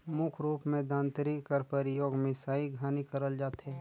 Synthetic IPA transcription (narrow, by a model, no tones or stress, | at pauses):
mʊkʰɾuːpmẽd̪ãːnt̪ɾikkəɾpəɾjoːɡmɪ̃saːiɡʱaːnikəɾəld͡ʒaːt̪ɦɛː